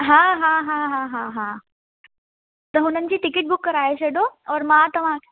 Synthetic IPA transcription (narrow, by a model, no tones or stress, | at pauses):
ɦãɦãɦãɦãɦãɦã | t̪əɦunənt͡ɕiːʈikɪʈ̚bukːəɾaːɦeɕeɖoɔːɾmat̪əʋãʈ